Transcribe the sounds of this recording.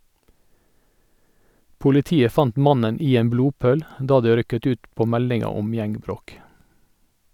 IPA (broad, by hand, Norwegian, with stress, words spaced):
pʊlɪˈtiːə ˈfɑnt ˈmɑnən ˈiː ˈeːm ˈbluːˌpøːl ˈdɑː ˈdøː ˈɾʏkət ˈʉːt ˈpoː ˈmɛlɪŋɑ ˈɔm ˈjɛŋɡˌbɾoːk